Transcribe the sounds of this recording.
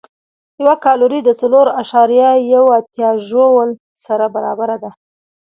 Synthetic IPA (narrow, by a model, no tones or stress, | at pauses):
jawakɑluɾid̪ət͡saloɾaʃɑɾijajawat̪jɑʒowəl | saɾabaɾɑbaɾad̪a